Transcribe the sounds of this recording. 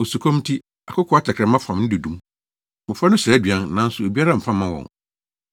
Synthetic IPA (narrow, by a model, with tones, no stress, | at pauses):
o˨su˨kʰõ˦m˦tʰi˦ | a˨kʰʊ˦kʰɔ˦a˦tʰɛ˨kʰɾɛ˨˦mã˦fã˨mnɪ̃˦dɪ˨dũ˦m | mʊ̃˨fa˦nʊ̃˦ɕɛː˨˦dɥã˦nnã˨˦n̩˦sʊ˨e˨bi˦a˦ɾa˦˨m̩˨fã˦mã˦wɔ̰̃˨ŋ